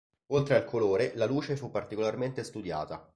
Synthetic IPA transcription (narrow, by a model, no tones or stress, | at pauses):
olt̪ɾealkʰoloːɾelaluːt͡ʃefupːart̪ikolarment̪est̪ud̪ja̰ːt̪a